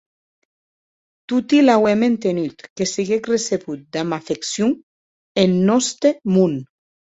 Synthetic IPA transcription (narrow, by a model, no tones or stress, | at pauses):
t̪ut̪ilawɛment̪enyt̪kesiɣekreseβut̪̚d̪amafeksju | enːɔst̪ɾemun